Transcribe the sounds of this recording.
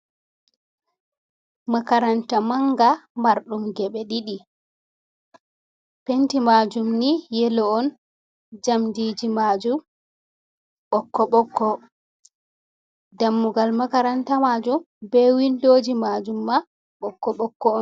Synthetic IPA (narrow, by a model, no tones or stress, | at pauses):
akaɾantamaŋɡamaɾɗumɡɛɓɛɗiɗi | pentimad͡ʒumnijɛlɔɔn | d͡ʒamdid͡ʒimad͡ʒum | ɓɔkːɔɓɔkːɔ | damːuɡalmakaɾantamad͡ʒum | bɛwinloːd͡ʒimad͡ʒumːa | ɓɔkːɔɓɔkːɔɔn